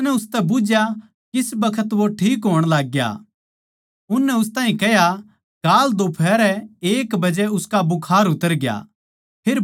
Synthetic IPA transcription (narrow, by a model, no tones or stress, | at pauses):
nɛʊst̪ɛbʊd͡ʒja | kɪsbɐkʰət̪ʋoʈʰiːkɦoːɽ̃laːɡːja̰ | ʊnːɛʊs̬t̪ãːɦĩkɛɦja | kaːld̪opʰɛːɾɛeːkbɐd͡ʒɛʊskabʊkʰaːɾʊt̪əɾɡja̰ | pʰeːɾ